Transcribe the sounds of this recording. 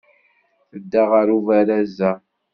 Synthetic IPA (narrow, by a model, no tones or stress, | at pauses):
θəd̪ːaʁəɾuvæɾæzːæ